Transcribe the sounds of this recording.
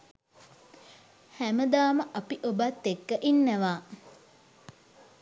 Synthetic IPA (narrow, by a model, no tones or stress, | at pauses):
hæməd̪aːməʔapiʔobat̪ːekːəʔinːæʋaː